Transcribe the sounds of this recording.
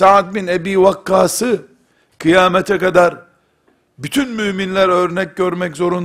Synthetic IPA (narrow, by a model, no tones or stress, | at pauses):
saʕt̪̚binebiːvakːaːsɯ | kʰɯjaːmɛt̪ʰɛkad̪aɾ | byt̪ʰynmyːminlʲæɾø̞ɾnɛc̚ɟøɾmɛczo̞ɾun